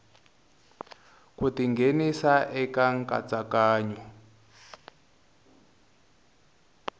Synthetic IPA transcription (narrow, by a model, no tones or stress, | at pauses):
kutiŋɡʱenisaʔɛkaŋka̰t͡sakaːɲɔ